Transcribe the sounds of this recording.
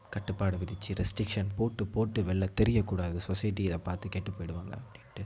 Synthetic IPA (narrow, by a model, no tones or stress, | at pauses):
kɐʈːɯpːaːɽɯʋɪðɪt͡ʃːɯɾɛsʈɾɪkʂɐnpoːʈːɯpoːʈːɯʋɛɭːɐt̪ɛɾɪjɐkːuːɽaːðɯsɔsɐjɪʈːiɪðɐ̃paːɾt̪ɯkeːʈːɯpːoːjɪɽɯʋaːŋɡɐ̰ɐpːɐɽɪʈːɯ